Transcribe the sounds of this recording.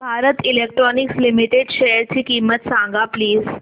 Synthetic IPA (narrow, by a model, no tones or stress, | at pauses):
bʱaːɾət̪ilek̚ʈɾɔnikslimiʈeɖʃejəɾt͡ɕʰikiːmət̪sãŋɡapliːz